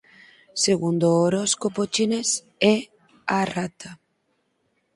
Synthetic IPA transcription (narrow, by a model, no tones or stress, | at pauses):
seɣund̪ooɾoskopot͡ʃines | e | arat̪ʰa